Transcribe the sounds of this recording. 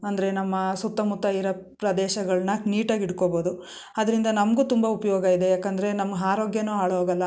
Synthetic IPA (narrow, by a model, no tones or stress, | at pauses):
ɐnd̪ɐɾe̞nɐmːɐsut̪ːɐmut̪ːɐiɾɐ | pɾɐd̪ɛːʃɐɡɐɭɐnɐniːʈaːɡiɽkoboːd̪u | ɐd̪ɐɾind̪ɐnɐmɐɡut̪umbɐupɐjɔːɡɐid̪e̞jaːkɐnd̪ɐɾe̞nɐmɡɦaːɾoːɡjɐnuːaːɭɦoːɡɐlːɐ